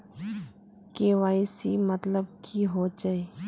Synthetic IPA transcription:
keʋaːisimət̪ləb̚kʰiɦod͡ʒaeː

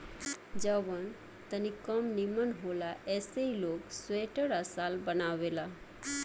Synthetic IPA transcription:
d͡ʒəʋən | t̪ənikəmnimənɦoːlaɛːsəiloːksweːʈəɾasaːlbənaʋela

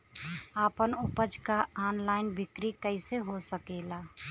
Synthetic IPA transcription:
aːpənʊpəd͡ʒkaaːnlaːɪnbʱɪkɾikəɪseɦosəkeːlaː

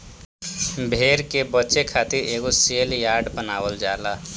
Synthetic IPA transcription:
bʱeːɾkebətːt͡ʃekʰaːt̪iɾeːɡoseːljaːɖbənaːwəld͡ʒaːla

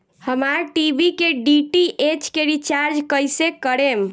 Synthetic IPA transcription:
həmaɾʈibʱikeɖiʈiʔet͡ʃkeɾit͡ʃaɾd͡ʒkəjsekəɾem

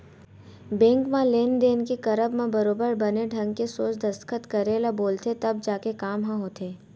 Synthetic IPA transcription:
bɛ̃ːŋkmãleːnd̪eːnkekɐɾəbmãbɐɾoːbəɾbɐneɖʱɐ̃ŋɡkesoːt͡ʃd̪ɐst̪kʰət̪kɐɾeːlaboːlt̪ʰet̪ɐb̚d͡ʒaːkekaːmɦãɦoːt̪eː

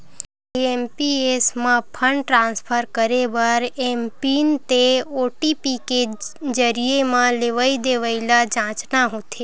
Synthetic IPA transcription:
eempiesmãpʰəɳɖʈɾãnspʰəɾkəɾebəɾempint̪eoʈipiped͡ʒəɾiemãleʋaid̪eʋailad͡ʒãt͡ʃnaɦot̪ʰe

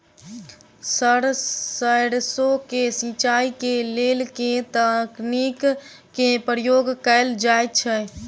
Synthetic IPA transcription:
səɽəɽsokesĩt͡ʃaikelelket̪əknikː | epɾjoɡkəɪld͡ʒajt̪t͡ʃʰɛ

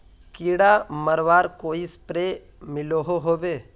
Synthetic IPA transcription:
kiːɽaməɾʋaːɾkoːispɾeː | mɪloɦoɦoːbeː

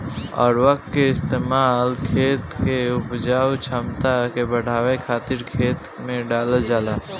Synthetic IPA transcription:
ɔ̰ːɾʋəkkeɪst̪eːmaːlkʰeːt̪keʊpd͡ʒaːwt͡ʃʰəmt̪akebəɽ̤aːwekʰaːt̪ɪɾkʰeːt̪ | mẽɖaːləld͡ʒaːlaː

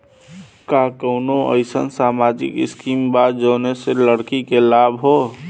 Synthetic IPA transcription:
kakəʊnoə̰ɪsə̰nsamad͡ʒḭkɪ̰skimbad̪d͡ʒəːneseləɽkikelabɦo

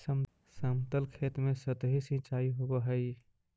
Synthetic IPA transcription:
səm | samt̪əlkʰet̪mesət̪ɦisĩt͡ʃaiɦobəɦəj

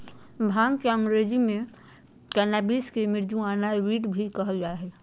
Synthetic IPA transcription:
bʱãːŋɡkeə̃ŋɡɾeːd͡ʒimẽ | kɛːnaːbiːskemɪɾd͡ʒũaːnaɾiːʈbʱikəɦɡjaɦɛː

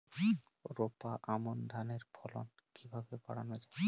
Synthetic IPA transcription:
ɾopaʔamond̪ʱaneɾpʰɔlo̰nkibʱabeba̰ɽa̰nod͡ʑa

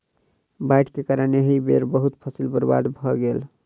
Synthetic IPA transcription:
bajʈʰkekaɾəneɦibḛɾbəɦut̪pʰəsilbəɾba̰d̪bʱɔɡel

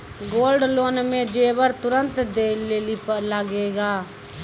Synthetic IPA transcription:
ɡoːlɖloːnmẽːd͡ʒeːʋəɾt̪ʊɾənt̪d̪eːleːlipləɡeːɡaː

